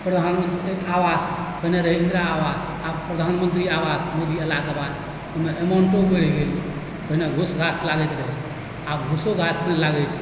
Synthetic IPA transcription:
pɾəd̪ʱanmənt̪aʋaspəɦineɾəɦɛĩnd̪ɾaːʋas | abpɾəd̪ʱanmənt̪ɾiaʋasmod̪iəlakabad̪ | omeemaɳʈobeɽiɡel | pəɦineɡʱusɡʱaslaɡɛt̪ɾəɦɛ | abɡʱusoɡʱasmelaɡɛt͡ʃʰ

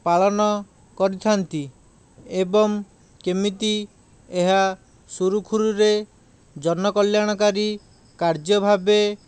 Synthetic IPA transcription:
paɭɔnɔ | kɔɾit̪ʰant̪i | ebɔŋ | kemit̪i | eɦa | suɾukʰuɾuɾe | d͡ʒɔnɔkɔljaɽ̃ɔkaɾi | kaɾd͡ʒɔbʱabe

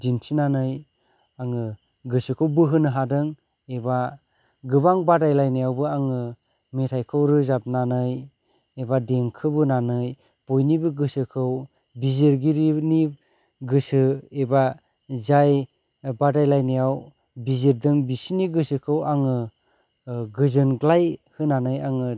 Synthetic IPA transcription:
d͡ʒinsinanɯj | aŋɯ | ɡɯsɯkʰɯwbɯɦɯnɯɦadɯŋ | eba | ɡɯbaŋbadajlajnɯjawbɯaŋɯ | metʰajkʰɯwɾɯzap̚nanɯj | ebadeŋkʰɯbɯnanɯj | b̥ojnibɯɡɯsɯkʰɯw | bizeɾɡiɾini | ɡɯsɯeba | zaj | badajlajnijaw | bizeɾdɯŋbisiniɡɯsɯkʰɯwaŋɯ | ɡɯzɯnɡlajhɯnanɯjaŋɯ

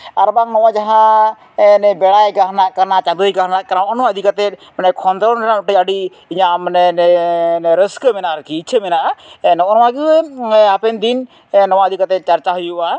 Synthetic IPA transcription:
aɾbaŋnɔwad͡ʒaɦã | nɛbɛɽajɡaɦnaʔkanat͡ʃad̪ujɡaɦnaʔkanaɔʔɔnɔaəd̪ʱikat̪ɛt̪̚ | nɛkʰɔnd̪ɾɔnnaʈəəɖi | iɲamnɛn | ɾəskəmɛnaɾkiːt͡ʃʰəmɛnaʔanɔʔnɔwaɡiapɛnd̪in | nɔwaəd̪ʱikat̪ɛt̪̚t͡ʃaɾt͡ʃaɦəjuʔa

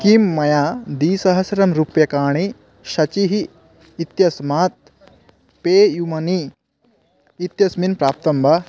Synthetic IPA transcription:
kimːɐjaːd̪iːsɐɦɐsɐɾɐmɾupjɐkaːɳ̃i | ʃɐt͡ʃiɦiː | t̪jɐsmaːt̪̚ | peːjumɐni | it̪jɐsminpɾaːp̚t̪ɐmbʱɐ

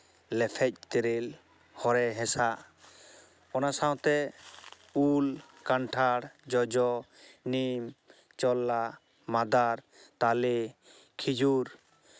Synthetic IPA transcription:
lɛpʰɛc̚ˀt̪eɾil | hɔɾɛɦɛ̃sa | ɔnasaw̃t̪ɛ | ul | kaɳʈʰaɽd͡ʒɔd͡ʒɔ | nim | t͡ʃɔlːa | mad̪aɾ | t̪ali | kʰid͡ʒuɾ

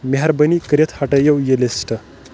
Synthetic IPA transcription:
meɦaɾbənikəɾʲet̪ʰhaʈəjɐwjelesʈə

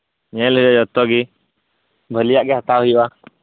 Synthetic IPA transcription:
ɲɛ̃lɦd͡ʒad͡ʒɔt̪ɔɡi | bʱəlijaʔɡɛɦət̪aɦujba

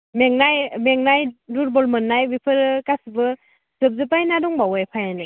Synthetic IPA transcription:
meŋnajmeŋnajduɾbɔlmɯnːajbipʰɯɾɯkasbɯ | z̥ɯp̚zɯpajnadɔŋbawajpʰajanɯ

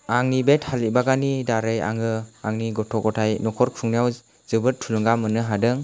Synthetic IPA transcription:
aŋnibet̚halibaɡanidaɾɯja̰ŋɯaŋniɡɔtʰɔkɔtʰajnɔkʰɔɾkʰɾuŋnijaw | zɯbɯɾ̚tʰulɯŋɡamːɯnɯɦadɯŋ

